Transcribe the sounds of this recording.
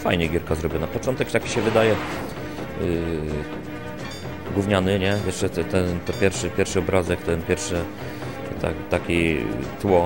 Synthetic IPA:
fa̰jɲɛɡʲjɛɾkazɾɔbʲjɔnapɔt͡ʂɔnt̪ɛkt̪akʲi̥ɕɛvɘd̪ajɛ | ɡwuvɲanɘɲɛjɛʂt͡ʂɛt̪ɛt̪ɛnt̪ɔpʲjɛɾfʂɘpʲjɛɾfʂɘɔbɾazɛkt̪ɛnpʲjɛɾfʂɛ | t̪a̰t̪akʲit̪wɔ

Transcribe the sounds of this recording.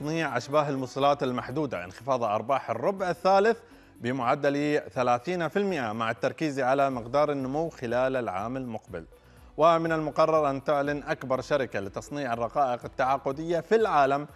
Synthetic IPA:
sˤniːʕʔaʃbaːɦɪlmʊsˤɑlaːt̪ɪlmaħd̪uːd̪a̰ʔɪ̰nxɪfɑːðˤʔɑ̰ɾˤbɑːħɪrˤːʊbʕɪθːaːlɪθ | bɪmʊʕad̪ːaliθalaːθiːnafɪlmɪʔamaʕɪt̪ːɑɾˤkiːziʕalamɪqd̪ɑːɾˤɪnːʊmuwːxɪlaːlalʕa̰ːmalmʊqbɪ̰l | wamɪnalmʊqɑrˤːɑɾˤʔant̪ɪʕlanʔakbɑɾˤʃaɾɪkalɪt̪ɑsˤniːʕɪrˤːɑqɑːʔɪqɪt̪ːaʕaqːʊd̪ɪjːafilʕaːlam

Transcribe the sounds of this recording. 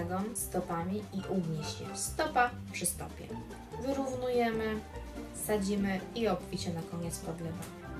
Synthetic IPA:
ɡɔmst̪ɔpamʲiiʔuɡɲiɕɛ̰st̪ɔpa | pʂɘst̪ɔpʲjɛ̰ | vɘɾuvnujɛmɘsad͡ʑimɘiɔkfʲit͡ɕɛnakɔɲɛt̪spɔd̪lɛba

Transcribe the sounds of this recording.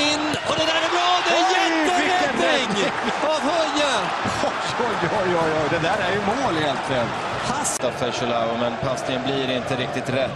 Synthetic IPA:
ɪnː | ɔd̪ɛd̪æːɾɛbɾɑːd̪ɛjɛvɪkːəɪŋː | ɑːvhœɾjə | ɔjɔjɑjɑːjɑːd̪ɛd̪æːɾæɾjɵmoːlheːlt̪vɛːl | hast̪avfœʂʊlaʊmɛnpʰast̪ɪənbliːɾɪnt̪əɾɪk̚t̪ɪt̪ɾɛt̪ː

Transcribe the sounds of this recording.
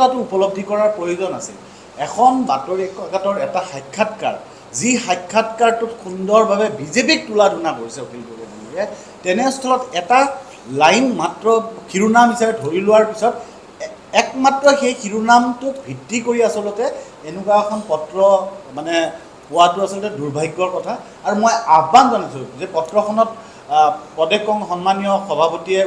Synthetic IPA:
atʊupɔlɔb̚dʱikɔɹaɹpɹojozɔna̰sɛ̰l | ɛkʰɔnbatɔɹɛkakatɔɹɛtaxajkʰːatka̰ɹ | zixajkʰːatkaɹtʊtkʰundɔɹbabɛbʱizepik̚tuladunakoɹisɛokilikoɹɛbanukɛ | tɛnɛstʰɔlɔtɛta | lajnmatɹɔkʰiɹunamɦisabɛdʱoɹilʊwaɹpisɔt | ɛkmatɹɔxejxʰiɹunamtʊkbʱitːikoɹiasɔlɔtɛ | enʊkaɛkʰɔnpɔtɹɔmanɛ | pʊwatʊasɔlɔtɛduɹbʱaɡːɔɹkɔtʰaː | ɹumojabanzɔnasolzɛpɔtɹɔxʰɔnɔt̚ | pɔdɛkːɔŋxɔnmanijɔxɔbʱapotiɛ

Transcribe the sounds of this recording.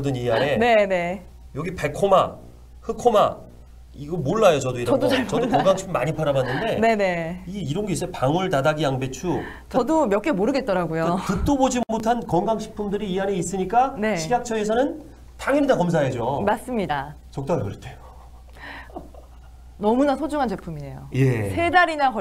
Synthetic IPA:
dɯniɦane̞ne̞ne̞ | jʌɡipe̞kʰoma | hɯkʰoma̰ | iɡʌmoɭːajot͡ɕʌdoiɾʌʌdoaʌdoʌŋɡaŋɕʰi̥pʰːumaɲipʰaɾamanːɯnde̞ne̞ne̞iiɾʌnɡeis͈ʌjopaŋɯɭtadaɡijaŋbe̞t͡ɕʰu | t͡ɕʌdomjʌk͈e̞moɾɯɡe̞t̚t͈ʌɾaɡujokɯt͈obod͡ʑimmotʰankʌŋɡaŋɕʰi̥k̚pʰumdɯɾiːɦaneis͈ɯɲik͈ane̞ɕʰiɡak̚t͡ɕʰʌe̞sʰʌnɯn | tʰaŋiɾidakʌms̬ʰaɦed͡ʑomas͈ɯmɲida | t͡ɕʌk̚t͈ajokɯɾʌt͈ʰe̥ | nʌmunasʰod͡ʑuŋɦant͡ɕe̞pʰumine̞jo̰je̞sʰe̞daɾinakʌ

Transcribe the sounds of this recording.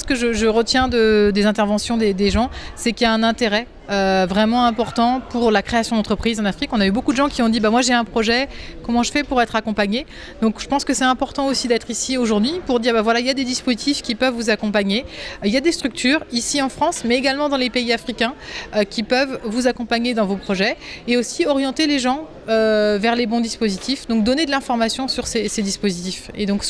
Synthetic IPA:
sə̥kəʒəʒəʁət̪jɛ̃d̪əd̪ezɛ̃t̪ɛʁvɑ̃sjɔ̃d̪ed̪eʒɑ̃sɛkʲijaɛ̃nɛ̃t̪eʁɛ | øvʁɛmɑ̃ɛ̃pɔʁt̪ɑ̃puʁlakχeasjɔ̃d̪ɑ̃t̪χəpχizɑ̃nafχikɔ̃naybokud̪əʒɑ̃kʲiɔ̃d̪ibamwaʒeɛ̃pχɔʒɛkɔmɑ̃ʒəfɛpuʁɛt̪χakɔ̃paɲe | d̪ɔ̃kʒ̥əpɑ̃skəsɛt̪ɛ̃pɔʁt̪ɑ̃osid̪ɛt̪χisioʒuʁd̪ɥipuʁd̪iʁbavwalailjad̪ed̪ispozit̪ifkʲipœvːuzakɔ̃paɲeiljad̪est̪χyk̚t̪ʰyːʁisiɑ̃fχɑ̃smɛeɡalmɑ̃d̪ɑ̃lepeiafχikʲɛ̃økʲipœvvuzakɔ̃paɲed̪ɑ̃vopχɔʒɛeosiɔʁjɑ̃t̪eleʒɑ̃ | øvɛʁlebɔ̃d̪ispozit̪ifd̪ɔ̃k̚d̪ɔned̪əlɛ̃fɔʁmasjɔ̃syʁsesed̪ispozit̪ifḛd̪ɔ̃ks

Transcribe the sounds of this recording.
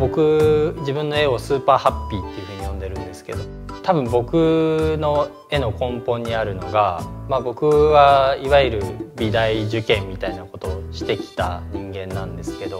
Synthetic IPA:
bo̞kɯ̟d͡ʑibɯ̟̃nːo̞e̞o̞sɨːpaːhapʲːiːt̪ːe̞iɯ̟hɯ̟ɲ̟ijõ̞nd̪e̞ɾɯ̟̃nd̪e̞sɨ̥ke̞̰d̪o̞ | t̪abɯ̟̃mbo̞kɯ̟no̞ | e̞no̞kõ̞mpõ̞ɲ̟ːiaɾɯ̟no̞ɡamabo̞kɯ̟βaiβaiɾɯ̟bʲid̪aiʑɨkẽ̞mːʲit̪ainako̞t̪o̞ɕi̥t̪e̞kʲi̥t̪a̰ɲ̟ĩŋɡẽ̞nːãnd̪e̞sɨ̥ke̞d̪o̞

